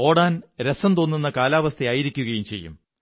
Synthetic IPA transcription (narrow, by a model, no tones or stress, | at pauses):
o̞ːɽaːnɾesɐnt̪o̞ːnːunːɐkaːlaːʋɐst̪ʰeaːjiɾikʲːuɣɐjumt͡ɕe̞̰jːṵm